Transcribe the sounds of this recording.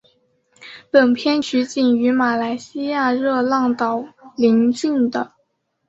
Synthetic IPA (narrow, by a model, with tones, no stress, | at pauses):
pə˨˩npʰjɛ˥˩nt͡ɕʰy˧˥t͡ɕi˨˩ŋy˧˥ma˨˩la˧˥ɪɕi˥ja˥˩˧ɻɤ˥˧lɑ˥˩ŋt̪ɑ˨˩ʊli˧˥ŋt͡ɕy˥˩nd̪ə˩